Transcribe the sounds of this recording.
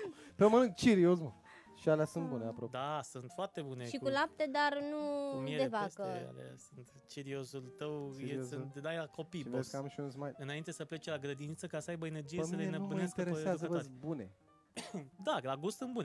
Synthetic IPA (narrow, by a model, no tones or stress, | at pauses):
pəməlɨŋɡ̚t͡ʃiɾiosmə | ʃialasunt̪̚buneapɾod̪asunt̪foart̪e̞buneʃikkulap̚t̪ed̪arnumied̪evask̪əa̰la̰sɨnt̪ | t͡ʃiɾio̞sult̪əwjesɨnt̪d̪ajlako̞pivesʲkəamʃiunsmajɨnaint̪e̞səple̞t͡ʃlaɡɾəd̪init̪səkasəajbəe̞ne̞rd͡ʒiemsəleenəpumɨnesk̪t̪eɾesazəvebune | d̪alaɡust̪sɨnt̪bune